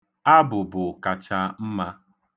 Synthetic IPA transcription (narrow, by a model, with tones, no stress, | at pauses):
a˦bʊ˨bʊ˨ka˨t͡ʃa˦m̩˦ma˦